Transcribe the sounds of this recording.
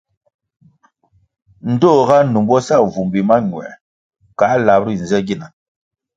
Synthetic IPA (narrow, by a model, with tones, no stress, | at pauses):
n̩˨do˦˨ɣa˦nu˨mbɔ˦sa˦˨vu˨mbi˨ma˦ɲ˨ɛ̰˨ | ka˨˦la˨bɾi˦n̩˨zɛ˦ɡi˦˨na˨